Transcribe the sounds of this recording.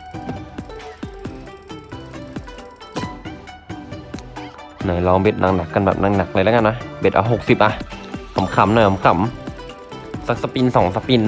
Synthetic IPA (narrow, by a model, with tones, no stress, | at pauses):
nɔː˨˦jlɔː˧ŋbe˧˩t̪̚nʔa˧ŋna˨˩kːa˧nbɛ̰ː˨˩p̚na˧ŋna˨˩k̚la˧jla˧˦ka˧˨na˧˦˥be˨˩t̪̚ʔaː˧˦ɦo˨˩k̚si˨˩p̚ʔa˧ha˨˦mkʰa˨˦mnɔː˨˦jhɔ˨˦mkʰa˨˩˦m | sa˧˥k̚sa˧pi˧nsɔː˨˦ŋsa˧piː˧n